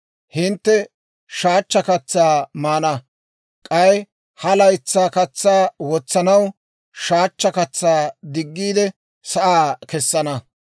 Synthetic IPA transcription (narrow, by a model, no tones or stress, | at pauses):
hɪnt̪ːɛ | ʃaːt͡ʃːɐkɐt͡sːaːmaːnɐ | kʼɐj | hɐlɐjt͡sːaːkɐt͡sːaːwɔt͡sːɐnɐw | ʃaːt͡ʃːɐkɐt͡sːaːd̪ɪɡːiːd̪ɛ | sɐʔaːkɛsːɐnɐ